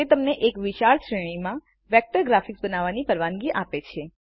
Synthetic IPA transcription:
et̪əmneʔekʋiʃaɭʃɾɛɭ̃imã | ʋɛk̚ʈəɾɡɾafiksbənaʋanipəɾʋanɡiʔapet͡ʃʰe

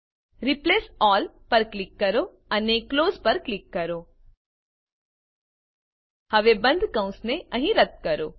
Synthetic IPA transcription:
ɾipleːsɔːlpɐɾklɪkːɐɾoː | ɐnekloːzpɐɾklɪkːɐɾoː | hɐʋebɐ̃nd̪ʱkɐ̃ʊ̃sneɐ̃ɦĩɾɐt̪̚kɐɾoː

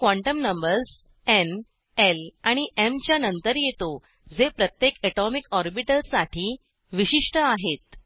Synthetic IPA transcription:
kʋaɳʈəmnəmbəɾs | en | elaɽ̃iʔemt͡ɕjanənt̪əɾjet̪o | d͡zepɾət̪jekɛʈɔmikɔɾbiʈəlsaʈʰiː | ʋiɕiʂʈəaɦet̪̚

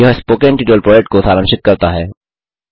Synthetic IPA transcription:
ɐɦspoːkẽnʈiːʈəlpɾɔːd͡ʒek̚ʈ̚kosaːɾə̃mʃɪt̪̚kɐɾt̪aɦɛː

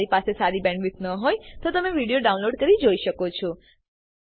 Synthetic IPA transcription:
ɾipasesaɾibɛ̃ɳɖʋɪt̪nəɦojt̪ot̪əmeʋiɽijoɖaũnloɖkəɾid͡ʒoiʃəkot͡ʃʰɔ

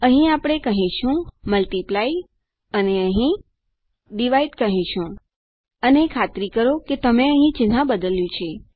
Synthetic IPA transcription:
əɦĩapɽ̃ekəɦĩʃũməlʈiplai | əneəɦĩ | ɖiʋaiʈkəɦĩʃũ | ənekʰat̪ɾikəɾoket̪əmeəɦĩt͡ʃɪnãbəd̪əljũt͡ʃʰe

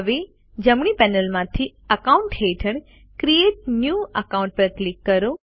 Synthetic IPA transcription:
ʋe | d͡ʒəmɳ̃ipɛnəlmãt̪ʰiəkauɳʈheʈʰəɳ | kɾieʈ̚njuəkaũɳʈ̚pəɾklikːəɾo

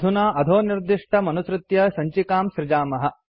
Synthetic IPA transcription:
d̪ʱunaːʔɐd̪ʱoːniɾd̪iʂʈʰɐmɐnusɾɪt̪jɐsɐɲt͡ʃikaːmʃɾɪd͡ʒaːmɐɦɐ̆

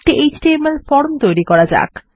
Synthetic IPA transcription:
ʈiʔejd͡ʑʈiemelfɔɾmt̪ojɾikɔɾad͡ʑa̰k

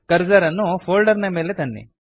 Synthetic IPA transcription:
kɐɾd͡ʒɐɾɐnːufʰoːlɖɐɾnɐmeːlet̪ɐnːḭ

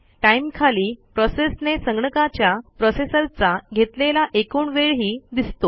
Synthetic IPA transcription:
ʈaimkʰaliːpɾɔsesnesəŋɡɳəkat͡ɕjapɾɔsesəɾt͡saɡʱet̪lelaʔekuːɳʋeɭɦiːd̪ist̪o

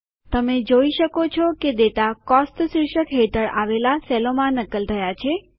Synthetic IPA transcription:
t̪əmed͡ʒoiʃəkot͡ʃʰɔked̪et̪akɔstsɾɪʃəkɦeʈəɾaʋelasɛlomãnəkəlt̪ʰəjat͡ʃʰe

